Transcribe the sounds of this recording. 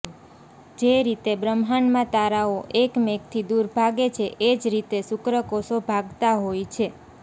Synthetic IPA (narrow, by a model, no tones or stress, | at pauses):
d͡ʒeɾit̪ebɾəmɦanmãt̪aɾaoʔekmekt̪ʰid̪uɾbʱaɡet͡ʃʰeʔed͡ʒɾit̪esʊkɾəkosobʱaɡt̪aɦojt͡ʃʰe